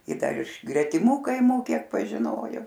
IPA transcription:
ɪ ˈdɐr ɪʃ ɡrʲɛtʲɪˈmʊ kɐɪˈmuː ˈkʲiɛk pɐʒʲɪˈnoːjoː

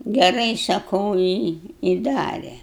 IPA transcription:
ɡʲɛˈrɐɪ sɐˈkɐʊ ɪ ɪ ˈdɑːrʲɛ

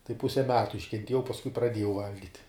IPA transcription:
tɐɪ ˈpʊsʲɛ ˈmʲæːtʊ ɪʃʲkʲɛnʲˈtʲiɛjɛʊ pɐsˈkʊɪ prɐˈdʲiɛjɛʊ ˈʋɐlʲɡʲɪtʲ

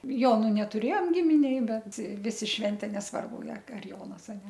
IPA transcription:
ˈjoːnʊ nʲɛtʊˈrʲeːjoːm ˈɡʲɪmʲɪnʲeːj ˈbʲɛt ˈʋʲɪsʲɪ ˈʃʲʋʲɛnʲtʲeː nʲɛsˈʋɐrbʊ ɐr ɐr ˈjoːnɐs ɐ nʲɛ

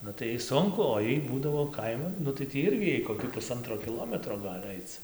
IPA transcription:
ˈnʊ tɐɪ ˈjɛɪ ˈsʊŋkʊ oː ˈjɛɪ ˈbuːdɐʋoː ˈkɐɪmɐn ˈnʊ tɐɪ ˈtʲiː ˈɪrʲɡʲɪ ˈjɛɪ koːkʲiː pʊˈsɐntroː kʲɪˈlˠoːmʲɛtroː ˈɡɐlʲ ˈɐɪt͡s

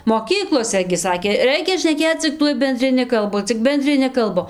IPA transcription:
moːˈkʲiːklˠoːsʲɛ ɡʲɪ ˈsɑːkʲeː ˈrʲɛɪkʲɛ ʃʲnʲɛˈkʲeːt͡s t͡sʲɪk ˈtuɔj bʲɛnʲdʲrʲɪˈnʲɪ kɐlˠˈbʊ t͡sʲɪk bʲɛnʲdʲrʲɪˈnʲɪ kɐlˠˈbʊ

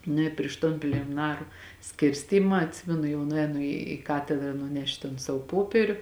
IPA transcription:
ˈnʊ ɪ pʲrʲɪʃ ˈtoːn pʲlʲeːmʲɪˈnɑːrʊ ˈsʲkʲɪrʲsʲtʲiːmɐ ɐtʲˈsʲɪmʲɛnʊ jɛʊ nʊˈɛːnʊ iː ˈkɑːtʲɛdrɐ nʊˈnʲɛʃt toːn ˈsɑːʋoː ˈpoːpʲiɛrʲʊ

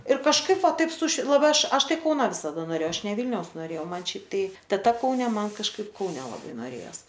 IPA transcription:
ɪr kɐʃˈkɐɪp ˈʋɐ ˈtɐɪp sʊʃʲɪ lˠɐˈbɐɪ ˈɐʃ ˈɐʃ ˈtɐɪ ˈkɐʊnɐ ʋʲɪsɐˈdɐ noːˈrʲeːjɛʊ ˈɐʃ nʲɛ ˈʋʲiːlʲnʲɛʊs noːˈrʲeːjɛʊ ˈmɐn ˈʃʲɛɪp ˈtɐɪ tʲɛˈtɐ kɐʊˈnʲɛ ˈmɐn kɐʃˈkɐɪp kɐʊˈnʲɛ lˠɐˈbɐɪ noːˈrʲeːjoːs

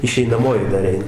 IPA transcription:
ɪʃʲɛɪnɐˈmoːjɪ dɐr ˈɛɪn

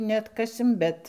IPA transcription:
nʲɛɐtˈkɑːsʲɪm ˈbʲɛt

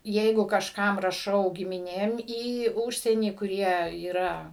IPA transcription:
ˈjɛɪɡʊ kɐʃˈkɐm rɐˈʃɐʊ ɡʲɪmʲɪˈnʲeːm iː ˈuːʃʲsʲiɛnʲiː kʊˈrʲiɛ iːˈrɐ

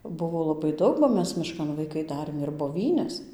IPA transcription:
ˈbʊʋoː lˠɐˈbɐɪ ˈdɐʊk bɐ ˈmʲɛs mʲɪˈʃkɐn ʋɐɪˈkɐɪ ˈdɑːrʲeːm ɪr boːˈʋʲiːnʲɛs

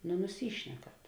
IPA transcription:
nʊ nʊˈsʲiːʃʲnʲɛkɐt

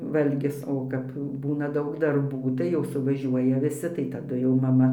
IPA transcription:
ˈʋɐlʲɡʲɪs ˈoː kɐp ˈbuːnɐ ˈdɐʊk dɐrˈbuː tɐɪ jɛʊ sʊʋɐˈʒʲuɔjɛ ʋʲɪˈsʲɪ tɐɪ tɐˈdʊ jɛʊ mɐˈmɐ

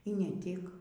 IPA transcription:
iː ˈnʲɛ ˈtʲɪk

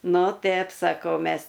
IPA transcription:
ˈnʊ ˈtʲɛp sɐˈkɐʊ ˈmʲɛs

